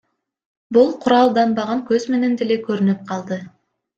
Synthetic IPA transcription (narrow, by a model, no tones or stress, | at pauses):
bulˠqʰʊɾɑlˠd̪ɑmbɑʁɑŋkɵzme̞ne̞nd̪elekøɾynyp̚qʰɑlˠd̪ɯ